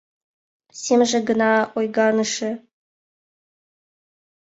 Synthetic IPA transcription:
sʲemʐɘ̆ɡɤ̆nɑojɡɑnɤ̆ʂɘ̆

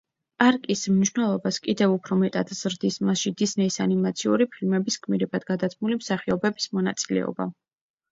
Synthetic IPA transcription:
aɾkʼismniʃwnɛlˠɔbaskʼid̪ɛvupʰɾɔmɛt̪ʼad̪z̥ɾd̪ismasʃid̪isnɛisanimat̪sʰiuɾipʰilmɛbiskʼmiɾɛbad̪ɡad̪at̪ʰmulimsaχiɔbɛbi̥smɔnat̪sʼilɛ̰ɔ̰ba̰

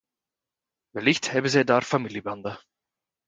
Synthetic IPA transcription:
vɛlɪçthɛːbəzedaːɾfamiːljəband̪ɐ

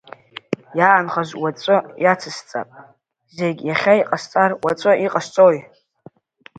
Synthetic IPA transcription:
jaːnχaʒʷwat͡sʼɨjat͡sʰɨst͡sʼa̰pʼ | zeɡʲjaχʲaiqʼast͡sʼarwat͡sʷʼɨiqʼast͡sʼoj

